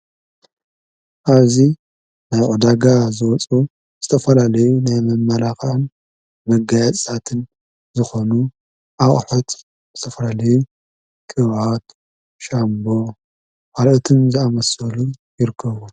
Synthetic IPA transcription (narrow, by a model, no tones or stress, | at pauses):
ʔaβzi | najʕud̪aɡazɨwɔt͡sʼu | z̥ɨt̪ʰɐfɐlalɐjunajmɐmːɐlaxan | mɐɡajɛt͡sʼt̪ʰat̪ʰɨn | zɨxo̞nu | ʔaχʼħot̪ | zɨt̪ʰɐfɐlalɐju | kʼɨβat̪ | ʃambo̞ | falʔɨt̪ʰɨnzɨamɐsɐlujɪɾɨkʰːɐβu